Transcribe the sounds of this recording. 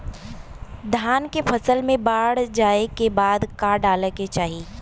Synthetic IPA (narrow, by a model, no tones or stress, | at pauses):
d̪ʱaːnkepʰɐsəlmẽbaːɽd͡ʒaːekebaːd̪kaɖaːlket͡ʃaːɦiː